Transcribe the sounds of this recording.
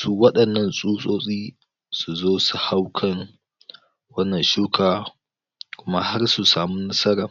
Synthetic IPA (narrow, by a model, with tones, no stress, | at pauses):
suː˦wɐ˦ɗɐ˨nːɐ˦nsʼuː˦sʼoː˦sʼiː˦ | su˨zoː˦su˨ha˦wkʰɐ˨ŋ | wɐ˦nːɐ˨nʃuː˦kʰaː˨ | kʷʊ˦ma˦ha˦rsu˨saː˨mu˦nɐ˦sɐ˦ɾaː˨